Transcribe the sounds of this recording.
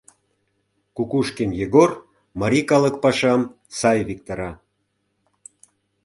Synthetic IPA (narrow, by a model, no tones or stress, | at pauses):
kukuʃkemjeɣor | mɑɾikɑlə̆k̚pɑʃɑm | sɑjβik̚t̪ɑɾɑ